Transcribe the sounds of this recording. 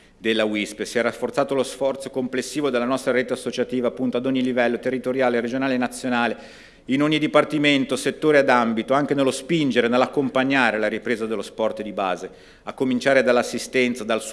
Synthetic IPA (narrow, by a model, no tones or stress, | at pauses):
d̪elːawispsiɛrːafːort̪saːt̪olosfɔrt̪so̥komplesːiːvod̪elːanɔst̪ɾaɾet̪easːot͡ʃat̪iːvaːpːunt̪oad̪oɲːilivɛlːot̪erːit̪oɾjaːlered͡ʒonaːlenat̪sːjonaːle | inoɲːid̪ipart̪iment̪oset̪ːoːɾead̪ambit̪oaŋk̟enelːospind͡ʒeɾenelːakːompaɲːaːɾelaɾipɾeːzad̪elːospɔrt̪d̪ibaːze | akːomint͡ʃaːɾed̪alːasːist̪ɛnt̪sad̪als